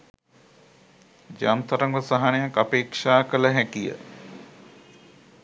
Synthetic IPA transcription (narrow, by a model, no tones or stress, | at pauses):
d͡ʒant̪ɐɾɐŋɡəsaɦanejakapeːkʂaːkələɦækijə̰